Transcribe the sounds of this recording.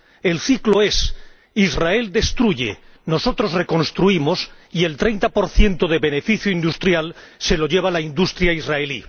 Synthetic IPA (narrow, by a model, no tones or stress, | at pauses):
e̞lθiklo̞e̞s | izrae̞ld̪e̞st̪ɾuʝe̞̰no̞so̞t̪ɾo̞zre̞ko̞nst̪ɾuimo̞sie̞lt̪ɾe̞jnt̪apo̞ɾθje̞nt̪o̞ðe̞βe̞ne̞fiθjoind̪ust̪ɾjalse̞lo̞ʝe̞β̞alaind̪ust̪ɾjaizraelḭ